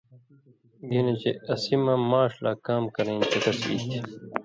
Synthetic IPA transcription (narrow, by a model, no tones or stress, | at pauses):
ɡinet͡ɕeɐsimɐmaːʂla̰ːkaːmkɐɾẽːnt͡ɕɐk̪ɐsḭːst̪i